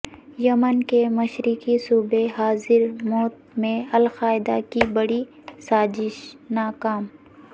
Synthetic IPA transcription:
jɐmənkemɐʃɾikisuːbeɦaːzɪɾmɔːt̪mẽɐlxaːɪd̪akibɐɽi | saːzɪʃnaːkaːm

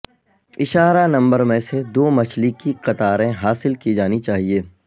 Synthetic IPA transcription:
ɪʃaːɾanɐ̃mbəɾmẽsed̪oːmɐt͡ʃʰlikiqɐt̪aːɾẽɦaːsɪlkid͡ʒaːnit͡ʃaːɦieː

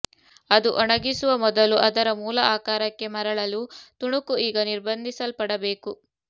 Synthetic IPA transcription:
ɐd̪uʔɔɳɐɡisuʋɐmɔd̪ɐluʔɐd̪ɐɾɐmuːlɐaːkaːɾɐkːe̞mɐɾɐɭɐlut̪uɳukuiːɡɐniɾbɐnd̪ʱisɐlpɐɽɐbeːku

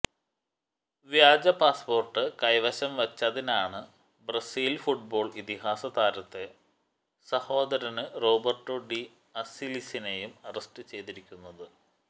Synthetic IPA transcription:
ʋjaːd͡ʑɐpaːspo̞ːrʈːɨkɐjʋɐɕɐmʋɐt͡ɕːɐðinaːɳɨ | bɾɐsiːlfuʈ̚bo̞ːɭit̪ihaːsɐt̪aːɾɐt̪ːe̞ | sɐho̞ːd̪ɐɾɐnɨro̞ːbɐrʈːoɖi | ɐsilisine̞jumɐrɐsʈɨt͡ɕejt̪iɾikʲːunːɐðɨ

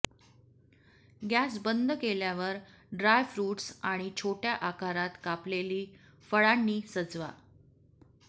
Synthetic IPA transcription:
ɡæsbənd̪ʱkeljaʋəɾ | ɖɾajfɾuːʈsaɽ̃it͡ɕʰoʈjaʔakaɾat̪kapleliː | fəɭanːiːsəd͡zʋa̰

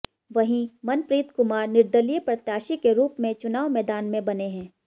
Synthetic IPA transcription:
ʋɐɦĩmɐnpɾiːt̪kʊmaːɾnɪɾd̪əlijəpɾɐt̪jaːʃikeɾuːpmẽt͡ʃʊnaːʋmɛːd̪aːnmẽbɐneɦɛ̃ː

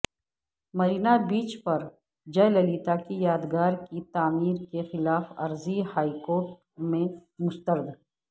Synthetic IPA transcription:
mɐɾiːnabiːt͡ʃpɐɾ | d͡ʒɐjlɐliːt̪akijaːd̪ɡaːɾkit̪aːmiːɾkexɪlaːfɐ̰ɾzihaːikoːɾʈ̚ | mẽmʊst̪əɾd̪

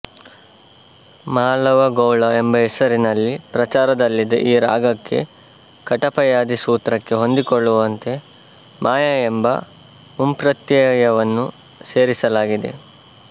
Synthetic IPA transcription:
maːlɐʋɐɡɐwɭɐembɐɦesɐɾinɐlːipɾɐt͡ʃaːɾɐd̪ɐlːid̪ɐ̰ʔiːɾa̰ːɡɐkːe̞̰ | kɐʈɐpɐjaːd̪isuːt̪ɾɐkːe̞ɦo̞nd̪ikoɭːuʋɐnt̪e̞ | mʔaːjɐembɐ̰ | umpɾɐt̪jɐjɐʋɐnːu | se̞ːɾisɐlaːɡid̪e̞̰

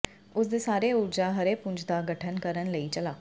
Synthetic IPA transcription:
ʊsd̪eːsaːɾeːʊɾd͡ʒaːɦəɾeːpʊɲd͡ʒd̪aːɡəʈʰənkəɾənləiːt͡ʃəlaː

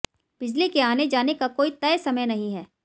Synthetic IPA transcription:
b̥ɪd͡ʒlikeaːned͡ʒaːnekakoːit̪ɛːesɐməjnɐɦĩɦɛː

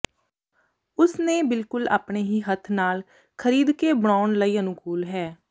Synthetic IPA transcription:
ʊsnẽːbɪlkʊla̰ːpɳeːɦiːɦət̪ʰnaːl | kʰəɾiːd̪keːbəɽaːɳləiːənʊkuːlɦɛː

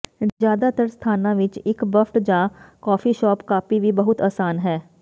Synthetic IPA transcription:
zjaːd̪at̪əɾst̪ʰaːnãʋɪt͡ʃɪkbəfʈd͡ʒãːkɔːfiʃɔːpkaːpiʋʱibɐɦʊt̪aːsaːnɦɛː

